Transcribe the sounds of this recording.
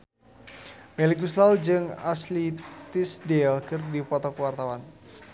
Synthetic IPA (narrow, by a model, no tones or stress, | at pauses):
mɛlikuslawd͡ʒɨŋa̰slit̪isdɛlkɨrdipɔt̪ɔkwart̪awan